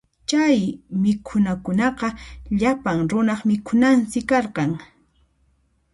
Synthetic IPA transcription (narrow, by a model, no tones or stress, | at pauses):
t͡ʃajmɪkʰʊnakʊnɑqɑʎapaŋɾʊnɑχmɪkʰʊnansɪkɑɾqɑŋ